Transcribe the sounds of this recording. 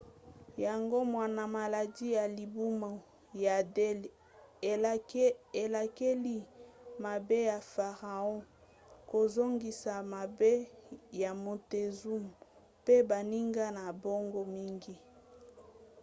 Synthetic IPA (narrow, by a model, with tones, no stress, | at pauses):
ja˨ŋɡo˦mwa˨na˨ma˨la˨di˦ja˨li˨bu˦ma˨ | ja˨de˦l | e˨la˨ke˦li˦ma˨be˦ja˨fa˨ʁa˨ɔ̃˦ | ko˨zo˦ŋɡi˨sa˨ma˨be˦ja˨mo˨te˨zu˦m | pe˦ba˨ni˦ŋɡa˦na˨bo˦ŋɡo˦mi˦ŋɡi˦